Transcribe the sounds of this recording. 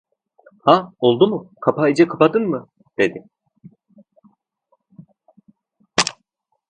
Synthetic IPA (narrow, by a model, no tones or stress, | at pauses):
hao̞lˠd̪umʊkʰapʰaid͡ʒɛkʰapad̪ɯnmɯ | d̪̥e̞d̪ɪ